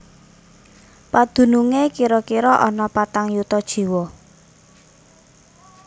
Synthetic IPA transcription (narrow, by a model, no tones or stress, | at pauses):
pad̪̥ṳnuŋekiɾɔkiɾɔʔɔnɔpat̪aŋjut̪ɔd̥ʒ̥i̤wɔ